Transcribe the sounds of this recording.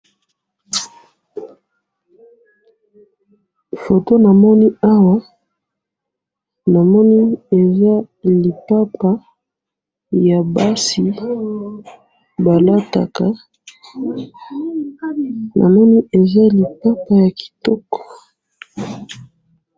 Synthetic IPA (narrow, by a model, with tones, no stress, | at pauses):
fo˨to˦na˨mɔ˦ni˦a˦wa˦ | na˨mɔ˦ni˦e˨za˦ | li˨pa˦pa˦ | ja˨ba˦si˨ | ba˨la˦ta̰˨ka˨ | nʔa̰˨mɔ˦ni˦e˨za˦li˨pa˦pa˨ja˨ki̥˨tɔ˦kɔ̥˨